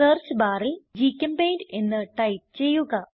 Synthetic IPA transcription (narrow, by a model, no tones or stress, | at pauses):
ɐːrt͡ɕɨbaːrild͡ʑiːkʲːɐmbejnɖe̞nːɨʈɐjp̚t͡ɕe̞jːuɣɐ